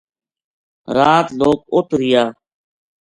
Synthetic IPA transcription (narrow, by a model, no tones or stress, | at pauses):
ɾaːt̪loːk̚ʊt̪ɾɪjaː